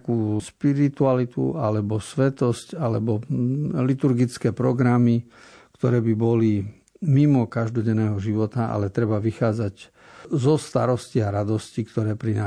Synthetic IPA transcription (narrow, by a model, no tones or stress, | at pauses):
kuːʃpiɾit̪ualit̪ṵa̰lɛbɔsʋɛt̪ɔscalɛbɔlit̪uɾɡit͡skɛːpɾɔɡɾami | kt̪ɔɾɛːbibɔli | mimɔkaʒd̪ɔɟɛnːɛːɦɔʒiʋɔt̪aʔa̰lɛt̪ɾɛbaʋixaːd͡zaɟ | zɔst̪aɾɔsciaɾad̪ɔscikt̪ɔɾɛːpɾina